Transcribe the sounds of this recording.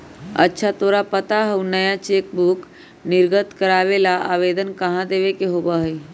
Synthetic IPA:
ə̰tːʃʰat̪oːɾapət̪aɦəunəjat͡ʃeːk̚buk | nɪɾɡət̪kəɾaːʋelaʔaːʋeːd̪ənkəɦãd̪eːʋekeɦobaɦi

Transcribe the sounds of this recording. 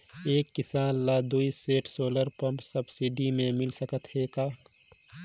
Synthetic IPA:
eːkːɪsaːnlaːd̪uːiseːʈʰsoːləɾpɐ̃mpsɐbsiɖimẽmɪlsəkət̪ɦekaː

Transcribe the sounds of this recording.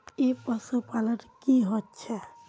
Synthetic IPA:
epəsopaləʈkiɦot̪ːt͡ʃʰɛ

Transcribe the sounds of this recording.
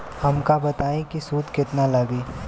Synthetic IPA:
hɐmkabɐt̪aːẽkisuːd̪kɪt̪nalɐɡiː

